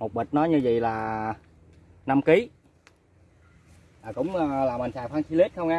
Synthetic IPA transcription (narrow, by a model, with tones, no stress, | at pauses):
mo˨˩t̚ɓi˨˩t̟̚nɔ˨˦jɲɨ˧zḭ˧˨laː˨˩ | na˧mki˨˦ | aː˨˩kʊ̰˧˥ŋ͡mlaː˨˩mï̟˨˩t͡ɕaː˧˨jfwaː˧nsi˧li˦˥t̚xə˧wŋ͡mʔaː˧